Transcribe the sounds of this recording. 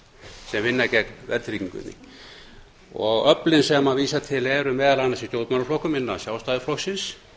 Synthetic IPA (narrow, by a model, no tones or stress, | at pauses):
sɛmvɪnːacɛkvɛ̰ɾt̪ʰɾiciŋkʏ̰t̪nḭŋ | ɔɣœplɪnsɛmaviːsat̪ʰɪlɛɾʏmɛːðalanːasist̪jowt̪manɾaflohkʏmɪnːasjaːwst̪aːðɪflɔksɪns